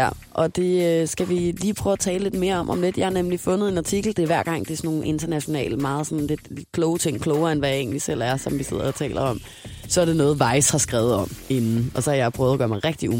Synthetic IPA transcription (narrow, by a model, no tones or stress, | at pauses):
æ | ʔɒ̽d̥e̝øsɡ̥æʋiliːpʰʁœːʊæt͡sʰɛːləle̝d̥me̝ːɐɒ̽mʔɒ̽mle̝d̥jɑ̈hɑ̈nemlifɔ̽nð̩ˠe̝nɑ̈t͡sʰiɡ̥l̩d̥e̝ʋæɐ̰ɡ̥ɑ̈ŋ̰d̥eæsno̝ːn̩ʔe̝nd̥ɐnæɕo̝nɛ̰ːləmɑ̈ːð̩ˠsɔ̽n̩le̝d̥le̥kʰlɔːʊt͡sʰe̝ŋ̰kʰlɔʊɐenʋæje̝̰ːn̩lisel̰æɐsɒ̽mʋise̝ð̰ˠɐɒt͡sʰɛ̰ːlʔɐɒ̽m̰ | sɒ̽æɐde̝nɔ̽ːð̞̩ˠʋɑ̈ɪshɑ̈sɡ̥ʁɛːʊð̩ˠɒ̽m̰e̝nn̩ɒ̽sɒ̽hɑ̈jɑ̈ɪpʰʁœːðˠɐɡ̥ɶːɐmɑ̈ɪʁɛɡ̥̚d̥iu